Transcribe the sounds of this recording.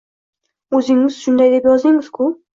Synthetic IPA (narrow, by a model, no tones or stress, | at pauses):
ɵzɪŋɪz̥ʃʊnd̪ajd̪e̞pjɒzd̪ɪŋɪz̥kʰʊ